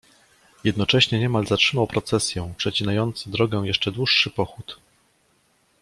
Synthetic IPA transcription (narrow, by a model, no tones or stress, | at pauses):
jɛd̪nɔt͡ʂɛɕɲɛɲɛmalzatʂɘmawpɾɔt̪sɛsʲjɛw̃pʂɛt͡ɕinajɔnt̪sɨd̪ɾɔɡɛw̃jɛʂt͡ʂɛd̪wuʂːɘpɔxut̪